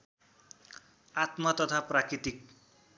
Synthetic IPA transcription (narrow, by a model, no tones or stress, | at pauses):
at̪mʌt̪ʌt̪ʰaprakɾit̪ik̚